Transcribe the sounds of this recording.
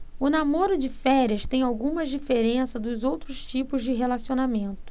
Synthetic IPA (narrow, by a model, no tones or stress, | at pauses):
ʊnamoɾʊd͡ʒɪfɛɾiɐst̪ẽj̃awɡũmɐd͡ʒifeɾẽsɐd̪ʊzowt̪ɾʊst͡ʃipʊzd͡ʒɪɦelasionamẽnt̪ʊ̥